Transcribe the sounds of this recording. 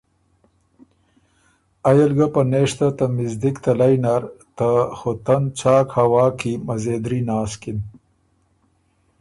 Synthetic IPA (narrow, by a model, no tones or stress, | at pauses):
ɐjɐlɡapɐneːʂt̪at̪ɐmɪzd̪ikt̪ɐlajnaɾt̪axot̪ɐnt͡ɕaːkhɐwaːkimɐzeːd̪ɾinaːskin